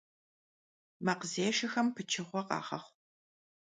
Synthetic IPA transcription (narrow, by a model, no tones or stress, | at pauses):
mɐqzeːʂɐxɐmpʰɨt͡ʃʰɪχʷɔqɑ̰ːʁɐ̰χʷ